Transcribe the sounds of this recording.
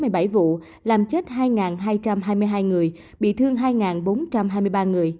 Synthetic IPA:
mɨ˨˩əjɓa˧˩jvṵ˧˨ | laː˨˩mt͡ɕe˦˥t̚ɦaː˧jŋaː˨˩nɦaː˧jt͡ɕa˧mɦaː˧jmɨ˧jɦaː˧jŋɨ˨˩əj | ɓḭ˧˨t̪ʰɨ˧əŋɦaː˧jŋaː˨˩nɓo˨˦nt͡ɕa˧mɦaː˧jmɨ˧jɓaː˧ŋɨ˨˩əj

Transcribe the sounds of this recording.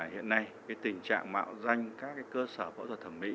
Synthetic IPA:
hḭ˧˨ənːa˧jkaː˨˦jt̪ï˨˩ŋ̟t͡ɕa̰ː˧˨ŋma̰ː˧˨wza˧jŋ̟kaː˦˥k̚ːaː˨˦jkəː˧səː˧˩ɓə̰˧˥t̪ʰə˨˩t̪ʰə˧˩mḭ˧˥

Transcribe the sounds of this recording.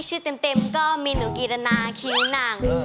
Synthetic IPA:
t͡ɕʰɯː˥˩t̪e˧mt̪e˧mkɔː˥˩miː˧nu˨˩˦kiː˧ɾa˧naː˧kʰi˧˦ŋnaː˨˩ŋ˧˦

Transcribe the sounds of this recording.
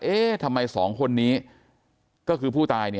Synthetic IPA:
ʔeː˥˩t̪ʰa˧mːa˧jsɔː˩˦ŋkʰo˧nːiː˦˥ | kɔː˥˩kʰɯː˧pʰuː˥˩t̪aː˧jni˥˩

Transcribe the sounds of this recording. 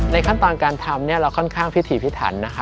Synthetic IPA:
na˧jkʰa˥˩nt̪ɔː˧nkaː˧nt̪ʰa˧mni˥˩ɐɾa˧wkʰɔ˥˩nkʰaː˥˩ŋpʰi˦˥t̪ʰiː˨˩˦pʰi˦˥t̪ʰa̰ː˩˦nːa˦˥kʰa˦˥

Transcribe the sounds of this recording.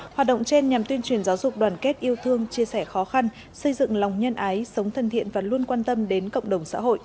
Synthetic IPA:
hwaː˨˩t̚ɗə̰˧˨ŋ͡mt͡ɕe˧nɲa˨˩mt̪wi˧ənt͡ɕwi˨˩ənzaː˨˦wzʊ˨˩k͡p̚ɗwaː˧˩nke˦˥t̚ʔi˧əwt̪ʰɨ˧əŋt͡ɕi˧əsɛ˧˩xɔ˨˦xa˧n | sə˧jzɨ̰˧˨ŋla˨˩wŋ͡mɲə˧nʔaː˨˦jsə˨˦wŋ͡mt̪ʰə˨˩nt̪ʰḭ˧˨ənvaː˨˩lu˧ənkwaː˧nt̪ə˧mɗe˨˦nkə̰˧˨wŋ͡mɗə˨˩wŋ͡msa̰ː˧˥ɦo̰˧˨jʔ

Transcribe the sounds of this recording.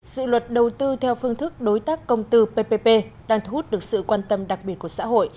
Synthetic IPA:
zɨ̰˧˨lwə˨˩t̚ɗə˨˩wt̪ɨ˧t̪ʰɛ˧wfɨ˧əŋt̪ʰɨ˦˥k̚ɗo˨˦jt̪aː˦˥kːə˧wŋ͡mt̪ɨ˧pe˧pe˧pe˧ɗaː˧ŋt̪ʰu˧˦hu˦˥t̚ɗɨ˨˩ək̚sɨ̰˧˨kwaː˧nt̪ə˧mɗa˨˩k̚ɓi˨˩ət̚ku˧˩əsa̰ː˧˥ɦo̰˧˨j

